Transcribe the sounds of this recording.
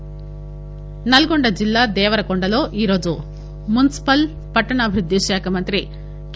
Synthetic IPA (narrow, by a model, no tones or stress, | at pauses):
nɐlɐɡoɳɖɐd͡ʒilːaːd̪ɛːʋɐɾɐkoɳɖɐlo̞ːʔiːɾo̞ːd͡ʒu | munisi̥pɐl | pɐʈːɐɳaːbʱiɾud̪ʱːiʃaːkʰɐmɐnt̪ɾi | k